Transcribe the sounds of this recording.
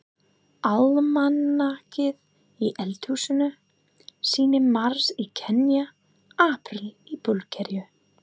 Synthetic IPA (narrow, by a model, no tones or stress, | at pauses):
almanːacɪð | iʔɛlt̪huːsʏnʏ | siːnɪmaɾ̥sicʰɛnja | aːpɾɪlipʊlcʰɛɾjʏ